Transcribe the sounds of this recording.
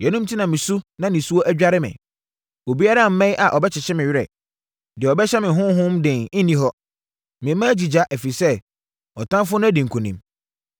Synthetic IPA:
jɛ˨nũ˦mtʰi˦nã˨mɪ̃˨su˦nã˦nɪ̃˨su˦ɔ˦ʔæ˦d͡ʑᶣa˦ɾɪ˦mɪ̰̃˨ | o˨bi˦a˦ɾa˦˨m̩˦mɛ̃˦jʔa˨ʔɔ˨bɛ˦t͡ɕʰɪ˨ɕɛ˦mɪ̃˨ɥɪ˦ɾɛ̰˨ | dɪ˨ɔ˨bɛ˦ɕɛ˦mɪ̃˨ɦʊ̃˦ɦʊ̃˦mdɪ̃˨n̩˦nĩ˦ɦɔ˦ | mɪ̃˨˦mã˦d͡ʑi˨d͡ʑa˦ʔɛ˨fi˨sɛ˦ | ɔ˨tʰã˦mfʊ˦nʊ̃˦æ˦˨dĩ˨ŋ˨kʰũ˨nḭ̃˨m

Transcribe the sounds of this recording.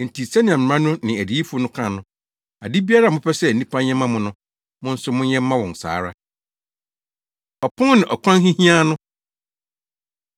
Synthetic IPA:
n̩˨tʰi˨sɛ˦nɪ̃˨ã˨m˨ã˦nʊ̃˦nɪ̃˨æ˨di˨˦i˦fu˦nʊ̃˦kʰã˨nʊ̃˨ | a˨di˦bi˦a˦ɾa˦˨m˦ʊ̃˦pʰɛ˦sɛ˦˨n̩˨nĩ˦pʰã˦ɲ˦ɛ̃˦mã˦mʊ̃˦nʊ̃˦ | mʊ̃˦n̩˦sʊ˦mʊ̃˦nɲɛ̃˦m̩˦mã˦wɔ̃˨n˨sa̰ː˨˦ɾa˦ | ɔ˨pʰʊ̃˦nɪ̃˨ʔɔ˨kʰʷã˦n˦hĩ˦hĩ˦a˦nʊ̃˦

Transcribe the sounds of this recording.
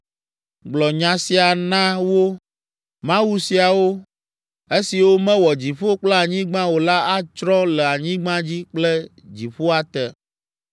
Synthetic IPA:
ɡ͡blɔ˨ɲã˨si˦a˨nã˦wo˦ | mã˦wu˦si˨a˨wo˦ | e˦si˨wo˦mɛ̃˦wɔ˨d͡ʑi˨ɸo˦k͡plɛ˦a˨ɲĩ˦ɡ͡bã˦wo˨la˦a˦t͡ʃɾɔ̃˦lɛ˨a˨ɲĩ˦ɡ͡bã˦d͡ʑi˦k͡plɛ˦ | d͡ʑi˨ɸo˦a˨t̪ɛ˨

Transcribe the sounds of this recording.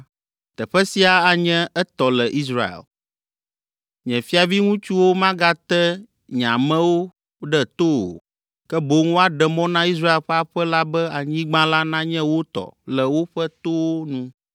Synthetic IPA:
t̪ɛ˨ɸɛ˦si˦a˨a˨ɲɛ̃˦ɛ˦t̪ɔ˨lɛ˨ʔi˦sɾa̰˨ḛ˨l | ɲɛ̃˨fi˦a˨vi˦ŋũ˦t͡ʃu˦wo˦mã˦ɡa˦t̪ɛ˦ | ɲã˨mɛ̃˦wo˦ | ɖɛ˦t̪o˦o̰˨ | kɛ˦bo˨˦ŋo˦a˦ɖɛ˨mɔ̃˦nã˦i˦s̬ɾa˦e˨lɸɛ˦a˦˨ɸɛ˦la˦bɛ˦a˨ɲĩ˦ɡ͡bã˦la˦nã˦ɲɛ̃˦wo˦t̪ɔ̰˨lɛ˨wo˦ɸɛ˦t̪o˦wo˦nũ˦

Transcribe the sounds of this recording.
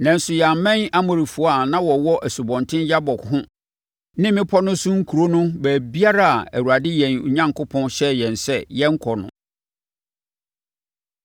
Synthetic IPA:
nã˨n̩˦sʊ˨jɛ˨a˨mɛ̃˦na˦mʊ̃˨ɾi˨fu˨˦a˨nã˦wɔ˨wɔ˦ʔæ˨su˨bɔ̃˨ntʰɪ̃˦n˦ja˦bɔ˨kɦʊ̃˦ | nɪ̃˦mɪ̃˦pʰɔ˦nʊ̃˦sʊ̃˦ŋ̩˦kʰu˨ɾo˦nʊ̃˦bæː˨bi˦a˦ɾa˦a˨æ̰˨wu˨ɾa˨dɪ˦jɛ̃˨n˨ɲã˦ŋkʰʊ˦pʰɔ̃˦nɕɛ˦jɛ̃˨n˨sɛ˦˨jɛ˦ŋ̩˦kʰɔ˨nʊ̰̃˨

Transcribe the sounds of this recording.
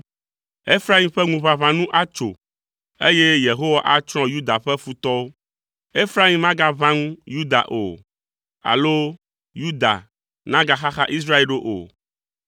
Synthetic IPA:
e˦fɾa˦i˦mɸɛ˦ŋũ˨βã˨βã˦nũ˦ʔa˦t͡ʃo̰˨ | e˦je˦je˨ɦo˦wa˦ʔa˦t͡ʃɾ̃ɔ̃˦ju˦d̪a˨ɸɛ˦fu˦t̪ɔ˦wo˦ | e˦fɾa˦ĩ˦mã˦ɡa˦vã˦ŋũ˦ju˦d̪a̰˨ʔo̰˨ | a̰˨lo˦ | ju˦d̪a̰˨ | nã˦ɡa˨xa˦xa˦ʔi˦s̬ɾa˦e˨lɖo˦ʔo̰˨

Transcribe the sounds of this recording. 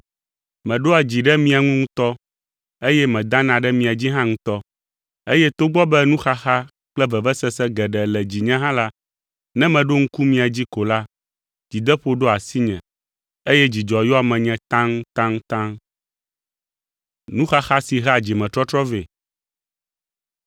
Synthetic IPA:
mɛ̃˨ɖo˦a˨d͡ʑi˨ɖɛ˦mĩ˦a˨ŋũ˦ŋũ˦t̪ɔ˦ | e˦jɛ˦mɛ̃˨d̪ã˦nã˨ɖɛ˦mĩ˨a˨d͡ʑi˦ɦã˦ŋũ˦t̪ɔ˦ | e˦jɛ˦t̪o˦ɡ͡bɔ˦bɛ˦nũ˦xa˦xa˦ | k͡plɛ˦vɛ˨vɛ˦sɛ˦sɛ˦ɡɛ˨ɖɛ˨lɛ˨d͡ʑi˨ɲɛ̃˦ɦã˦la˦ | nɛ̃˦mɛ̃˨ɖo˦ŋ̩˦ku˦mĩ˦a˨d͡ʑi˦ko˨la˦ | d͡ʑi˨d̪ɛ˦ɸo˦ɖo˦a˨si˦ɲɛ̰̃˨ | e˦jɛ˦d͡ʑi˨d͡ʒɔ˨jo˦a˨mɛ̃˨ɲɛ̃˨t̪ã˦ŋ˦t̪ã˦ŋ˦t̪ã˦ŋ | nũ˦xa˦xa˦si˨ɦɛ˦a˨d͡ʑi˨mɛ̃˨t̪ɾɔ˦t̪ɾɔ˦ve˨

